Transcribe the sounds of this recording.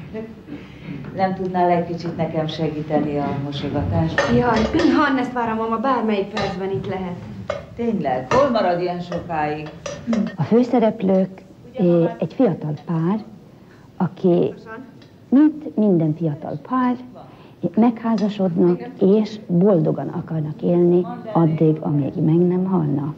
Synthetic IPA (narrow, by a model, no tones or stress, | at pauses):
nɛmt̪ud̪naːlɛc̚kit͡ʃit̪nɛkɛmʃɛɡiːt̪ɛniɒmoʃoɡɒt̪aːʃt̪jɒninɦɒnːɛst̪ʋaːɾomɒmɒbaːrmɛjik̚pɛrd̪zbɛnit̪lɛɦɛt̪t̪eːɲlɛɡ̥holmɒɾɒd̪iɛnʃokaːji | ɒføːsɛɾɛpløːk | ɛɟfijɒt̪ɒlpaːr | ɒkʰi | mint̪mind̪ɛɱfijɒt̪ɒ̰lpʰaːr | mɛkhaːzɒʃo̞d̪nɒkeːʃbo̞ld̪o̞ɡɒnɒ̰kɒrnɒkeːlniɒd̪ːiɡɒ̰mḭɡmɛɡnɛmɦɒlnɒ